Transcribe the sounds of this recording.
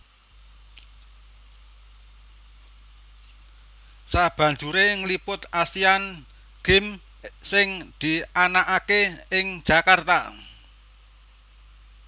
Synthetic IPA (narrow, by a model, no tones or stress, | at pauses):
sab̥ä̤ɲd͡ʒuɾeŋlipʊt̪asian | ɡ̥ɪm | sɪŋd̪̥i̤ʔanaʔakeɪŋ̥ʒ̥a̤kart̪a